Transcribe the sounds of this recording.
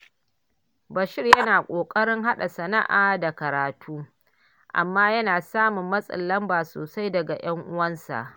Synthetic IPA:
bɐ˨ʃɪ˦rjɐ˦naː˨kʷʼoː˨kʼɐ˦ɽɪ˦ŋɦa˦ɗa˨sɐ˨na̰˦ʔaː˨da˨kɐ˨ɾaː˨tʰuː˦ | ʔa̰˨mːaː˦jɐ˦naː˨saː˦mʊ˨mːɐ˦sʼɐ̰˨lːɐ˦mbaː˨so̰ː˨sa˦jdɐ˨ɡa˨j̰ɐ˦ŋʔʊ˦wɐ˦nsa̰˨ʔ

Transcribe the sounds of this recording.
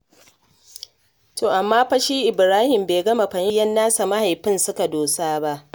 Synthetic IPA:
tʰoː˨ʔa˨mːaː˦ɸɐ˦ʃiː˦ʔɪ˨bɾaː˦hɪ˨mbeː˨ɡɐ˦ma˨ɸɐ˨ni˦jɐ˦nːaː˦sa˨ma˦ha˨jɸɪ˦nsʊ˦ka˨doː˨saː˦ba˦ʔ

